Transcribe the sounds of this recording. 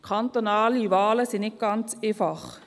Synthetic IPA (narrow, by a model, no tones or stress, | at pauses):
kʰɑnt̪onɑːlivaːləsɪnɪt̚ɡ̥ɑnt͡seːfɑχ